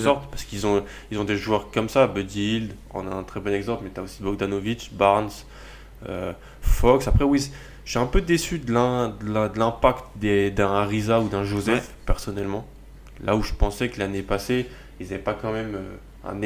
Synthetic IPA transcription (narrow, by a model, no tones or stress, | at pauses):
sɔʁt̪paʁsə̥kilzɔ̃ | ilzɔ̃d̪eʒwœʁkɔmsabød̪ild̪ | ɔ̰̃naɛ̃t̪χɛbɔnɛɡzɑ̃plmɛt̪yaosibɔɡd̪anovit͡ʃbaʁns | ø̰ | fɔksapχɛwi | ʒɛɛ̃pød̪esyd̪əlɛ̃d̪əld̪əlɛ̃pakt̪d̪ed̪ɛ̃ʁizaud̪ɛ̃ʒozɛfpɛʁsɔnɛlmɑ̃ | lʔauʒəpɑ̃sɛkəlanepase | ilzavɛpakɑ̃mɛmø | ɛ̰̃n